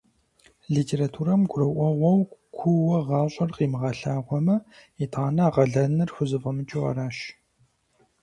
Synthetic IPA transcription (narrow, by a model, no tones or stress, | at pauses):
ɮitʰeːɾatʰuːɾɐmɡʷʊɾɐʔʷɔʁʷɔwkʷʰʊwɐʁɑːɕʼɐrqiːmɨʁɐɬaːʁʷɔmɐitʰaːnɐaːʁɐɮɐnɐrxʷʊzɨfʼɐmɨt͡ʃʼɪʁɐ̰ɾaːʃ